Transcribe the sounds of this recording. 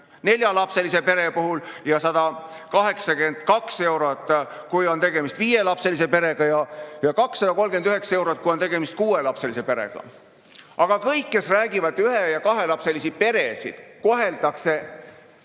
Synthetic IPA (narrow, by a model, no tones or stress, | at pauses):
ne̞lʲjɑlɑpse̞lise̞pe̞ɾe̞puɦuljɑsɑd̪̥ɑ | kɑɦe̞ksɑke̞nd̪̥kɑkse̞wɾot̪ːˑ | kujo̞nt̪e̞ɡe̞mist̪viːje̞lɑpse̞lise̞pe̞ɾe̞ɡ̥ɑjɑjɑkɑksːɑd̪ɑko̞lːɡe̞nd̪yɦe̞ksɑe̞wɾot̪̚kujot̪eɡ̥e̞mist̪̚kuːe̞lɑpse̞lise̞pe̞ɾe̞̰ɡ̥ɑ̰ | ɑɡ̥ɑkɤjkːe̞sræːɡ̥ivɑd̪̥yhejɑkɑɦe̞lɑpse̞lisi̥pe̞ɾe̞sḭd̪̥ko̞ɦe̞ld̪ɑkse̞